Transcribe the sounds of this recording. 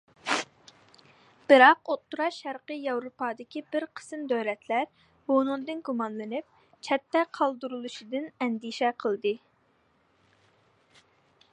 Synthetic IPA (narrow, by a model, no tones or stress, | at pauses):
b̥ɨɾɑqot̪ːuɾɑʃhæɾqəjɑwɾopɑːd̪ɪkʲibɪɾqʰə̥sɨmd̪øwɾɛt̪ʰlæɾ | bonund̪ɨnɡumɑnlˠɨnɪp̚ | t͡ʃʰɛt̪ːɛqʰɑlˠd̪uɾulˠuʃid̪ɪnɛnd̪iʃɛqʰəlˠɨd̪ɨ